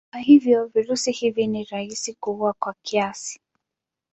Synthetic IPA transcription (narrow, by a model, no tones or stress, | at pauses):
naɦivjɔviɾusihiviniɾaisikuuwakwakiasi̥